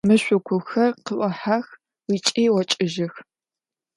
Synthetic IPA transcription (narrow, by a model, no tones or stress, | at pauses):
mɨɕʷʊkʷʰʊxɐrqəʔʷɐħax | wit͡ʃʼiːwɔt͡ʃʼɪʒɪx